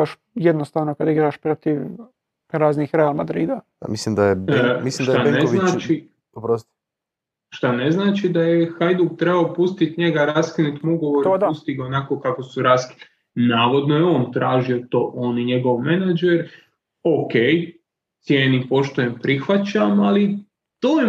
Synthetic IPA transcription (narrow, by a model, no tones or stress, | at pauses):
aʃ | jed̪nost̪aːʋnokad̪aiɡɾaʃpɾot̪iʋ | ɾaːznixɾealmad̪ɾiːd̪a | a̰mislimd̪ajebmislimd̪aaneinat͡ʃi | opɾost̪ | ʃt̪aneznaːt͡ʃid̪ajexajd̪uɡ̚t̪ɾe̞baopust̪it̪ɲeɡaɾaːskinut̪muɡoʋoɾod̪ust̪iɡaonako̞kakosuɾaːski̥n | naːʋo̞d̪nojeoːnt̪ɾaːʒio̞t̪o̞ːʔoːniɲe̞ɡo̞ʋmenad͡ʒeɾ | okej | t̪sʲjeːnipo̞ʃt̪ujempɾixʋat͡ɕamali | t̪oːje